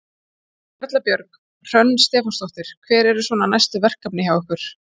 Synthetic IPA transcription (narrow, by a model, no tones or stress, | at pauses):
œt̪lapjœɾk | r̥œnːst̪ɛːfɔst̪ɔwht̪ɪɾ̥kʰvɛːɾɛɾʏsvɔːnanajst̪ʏvɛr̥kapnɪçjaːwʏhkʏɾ̥